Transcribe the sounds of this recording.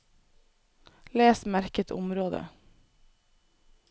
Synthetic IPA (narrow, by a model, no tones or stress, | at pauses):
leːsmæɾkət̪ʰʊ̰mɾoːd̪ə̰